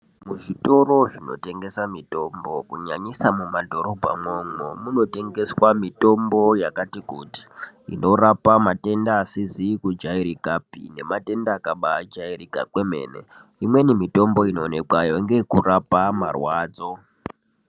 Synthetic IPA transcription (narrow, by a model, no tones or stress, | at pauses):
muʐito̞ɾo̞ʐino̞̰te̞ŋɡe̞samito̞mbo̞kuɲaɲisamumadʱo̞ɾo̞bʱa̰mwoŋomuno̞te̞ŋɡe̞swamito̞mbo̞jakatikuti̥ḭno̞rapamate̞ndaːsizikud͡ʒaiɾikapḭne̞mate̞ndaːkaɓad͡ʒairikakwe̞me̞̰ːne̞̰ | imwe̞nimito̞mbo̞ino̞ːne̞kwajoŋɡe̞kurapamarwaːd͡zo̞